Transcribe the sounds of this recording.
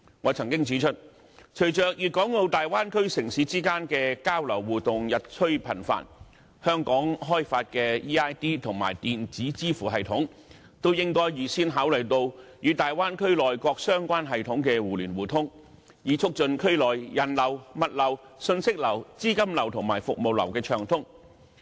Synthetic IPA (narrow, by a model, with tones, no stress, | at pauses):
ŋɔː˨˧t͡sʰɐ˨˩ŋkɪ˥ŋt͡siː˨˥t͡ʃʰɵ˥t̚ | t͡ʃʰɵ˨˩jt͡ʃœː˨k̚jyː˨t̚kɔː˨˥ŋlo˧wt̪aː˨jwaː˥nkʰɵ˥ɥsɪ˨˩ŋsiː˨˥t͡siː˥kaː˥nkɛː˧kaː˥wlɐ˨˩wwuː˨tt̪ʊ˨ŋjɐ˨t̚t͡ʃʰɵ˥ɥpʰɐ˨˩nfa̰ː˧˥n | hœː˥ŋkɔː˨˥ŋɦɔː˥jfaː˧t̚kɛː˧iː˥aː˥jt̪iː˥t̪ʰʊ˨˩ŋma̰ː˨˩jt̪iː˨nt͡siː˨˥t͡siː˥fuː˨˩ɦɐ˨jt̪ʰʊ˨˥ŋ | t̪o˥wjɪ˥ŋkɔː˥jjyiː˨˩siː˥nɦaː˨˥wlɵ˨˩jt̪o˧wjyː˨˧t̪aː˨jwaː˥nkʰɵ˥ɥlɔː˨jkɔː˧k̚sœː˥ŋkʷaː˥nɦɐ˨jt̪ʰʊ˨˥ŋkɛː˧wuː˨˩lyː˨˩nwuː˨˩t̪ʰʊ˥ŋ | jiː˨˧t͡sʰʊ˥k̚t͡ʃɵ˧nkʰɵ˥ɥlɔː˨˩jjɐ˨˩nlɐ˨˩wmɐ˨t̚lɐ˨˩w | sɵ˧nsɪ˥k̚lɐ˨˩wt͡siː˥kɐ˥mlɐ˨˩wt̪ʰʊ˨˩ŋmaː˨˩jfʊ˨k̚mo˨wlɐ̰˨˩wkɛː˧t͡ʃʰœː˨˩ŋt̪ʰʊ˥ŋ